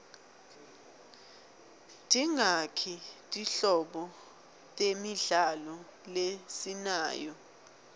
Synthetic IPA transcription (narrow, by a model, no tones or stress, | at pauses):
tʰʼiŋakʰitʼiɬɔɓɔ | tʼemiɮalɔ | lesinaːjɔ